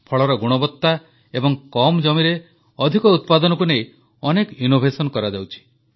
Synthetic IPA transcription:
pʰɔɭɔɾɔɡuɽ̃ɔbɔt̪ːa | ebɔŋkɔmd͡ʒɔmiɾe | ɔd̪ʱikɔut̪̚pad̪ɔnɔkunej | ɔnekinobʱesɔnkɔɾad͡ʒawt͡ʃʰi̥

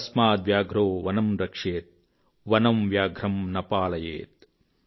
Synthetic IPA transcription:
ɐsmaːt̪ʋjaːɡʱɾoːʋɐnɐmɾɐkʂeːt̪̚ | ʋɐnɐmʋjaːɡʱɾɐmnɐpaːlɐjḛːt̪̚

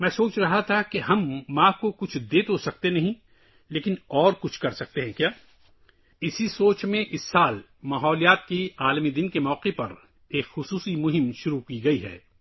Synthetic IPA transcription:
mɛ̃ːsoːt͡ʃɾɐɦat̪ʰakeɦɐmːãːkokʊt͡ʃʰd̪eːt̪osɐk̚t̪enɐɦĩ | leːkɪnɔːɾkʊt͡ʃʰkɐɾsɐk̚t̪eɦɛ̃kjaː | ɪsisoːt͡ʃmẽʔɪsːaːl | maːɦɔːlijaːt̪kiaːlmid̪ɪnkemɔːqepɐɾ | eːkxʊsuːsimʊɦɪmʃʊɾukiɡɐiɦɛ̰ː

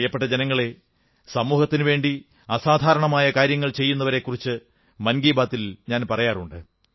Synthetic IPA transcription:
jːɐpːe̞ʈːɐd͡ʑenɐŋːɐɭe̞ | sɐmuːhɐt̪ːinɨʋe̞ːɳɖi | ɐsaːd̪ʱaːɾɐɳɐmaːjɐkaːɾjɐŋːɐɭt͡ɕe̞jːunːɐʋɐɾe̞kːurit͡ɕːɨ | mɐnɡiːbaːt̪ːilɲaːnpɐrɐjaːruɳɖɨ

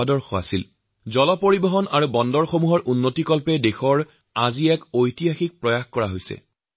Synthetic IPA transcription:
adɔɹxɔa̰sil | zɔlɔpoɹibɔɦɔnaɹubɔndɔɹxomuɦɔɹʔunːotikɔlpɛdexɔɹ | aziɛkojtiɦaxik̚pɹɔjaxkɔɹaɦojsɛ̰

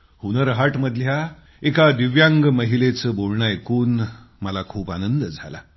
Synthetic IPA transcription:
hunəɾɦaʈməd̪ʱlja | ekad̪iʋjaŋɡməɦilet͡səboɭɳaekuːnməlakʰuːpanənd̪əd͡zʱa̰la̰

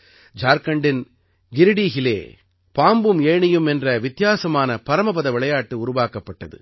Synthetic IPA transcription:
d͡ʒaːɾkɐɳɖɪn | ɡɪɾɯɽiːɣɪlḛː | paːmbɯmeːɳɪjɯmɛndrɐʋɪt̪ːjaːsɐmaːnɐpɐɾɐmɐpɐðɐʋɪɭɐjaːʈːɯʊɾʊʋaːkɐpːɐʈːɐðɯ̰

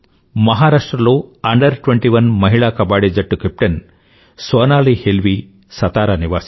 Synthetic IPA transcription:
mɐɦaːɾaːʂʈɾɐloːɐɳɖɐɾʈʋeɳʈiʋɐnmɐɦiɭaːkɐbaːɽid͡ʒɐʈːukep̚ʈɐn | sʋɐːnaːlihelʋi | sɐt̪aːɾaniʋaːsi̥

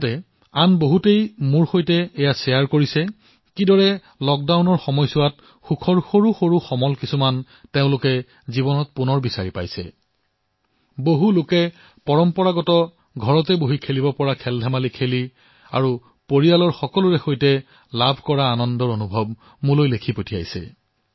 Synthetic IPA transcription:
tɛ | anboɦutejmuɹxojtɛːjasɛjaɹkoɹisɛ | kidɔɹɛ | lɔk̚dawnɔɹxɔmɔjsʊwat̚ | xukʰɔɹxoɹuxoɹuxɔmɔlkisuman | teʊ̃lʊkɛ | zibɔnɔt̚punɔɹbisaɹipa̰jsɛ̰ | boɦulʊkɛ | pɔɹɔmpɔɹaɡɔtɔ | ɡʱɔɹɔtɛboɦikʰelibɔpɔɹakʰɛldʱamalikʰeli | a̰ɹu | poɹijalɔɹxɔkɔlʊɹɛxojtɛ | labʱkɔɹaːnɔndɔɹonubʱɔb̚ | mulojlekʰipotʰija̰jsɛ̰

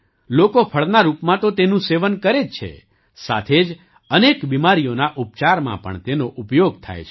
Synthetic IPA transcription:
lokopʰəɭnaɾupmãt̪ot̪enũseʋənkəɾed͡ʒt͡ʃʰḛ | sa̰t̪ʰed͡ʒ | ənekbimaɾijonaʔup̚t͡ʃaɾmã̰pə̰ɳt̪enoʔupjoɡ̚t̪ʰa̰jḛt͡ʃʰe

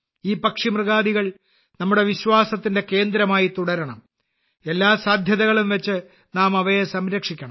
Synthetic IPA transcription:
iːpɐkʂimrɨɣaːðiɣɐɭ | nɐmːuɽe̞ʋiɕwaːsɐt̪ːinde̞ke̞ːnd̪ɾɐmaːjit̪uɽɐɾɐɳɐm | e̞lːaːsaːd̪ʱjɐðɐɣɐɭumʋɐt͡ɕːɨ | naːmɐʋɐjesɐmɾɐkʂikʲːɐɳɐm

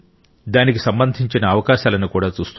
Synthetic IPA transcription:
d̪aːnik̬isɐmbɐnd̪ʱiɲt͡ʃinɐːʋɐkaːʃaːlɐnukuːɽaːt͡ʃuːst̪u

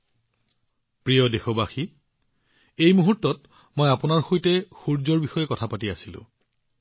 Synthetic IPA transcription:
pɹijɔdexɔbaxi | ejmuɦutːɔt | mojapʊnaɹxojtɛxuɹzɔɹbixɔjɛkɔtʰapatiasilʊ̰̃

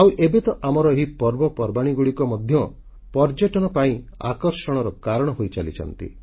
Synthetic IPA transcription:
awʔebet̪ɔʔamɔɾɔɦipɔɾbɔpɔɾbaɽ̃iɡuɽikɔmɔd̪ʱjɔ | pɔɾd͡ʒeʈɔnɔpaĩ | a̰kɔɾsɔɽ̃ɔɾɔkaɾɔɽ̃ɔɦojt͡ʃalḭt͡ʃʰɔ̰nt̪ḭ

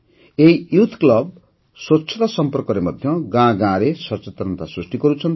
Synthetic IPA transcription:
ejjut̪ʰklʌb̚ | swʌtːsʰʌt̪asʌmpɔrkɔɾemʌd̪ʱjʌɡãɡãɾesʌt͡sʌt̪rʌnt̪asrusʈiɡʌɾut͡sʰʌn

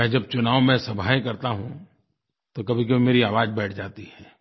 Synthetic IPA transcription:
ɛɦd͡ʒɐb̚t͡ʃʊnaːwmɛ̃sɐbʱaːjkɐɾt̪aɦũ | t̪okɐbʱik̬ɐbʱimeːɾiaːʋaːd͡ʒbɛːʈʰd͡ʒaːt̪ihɛː

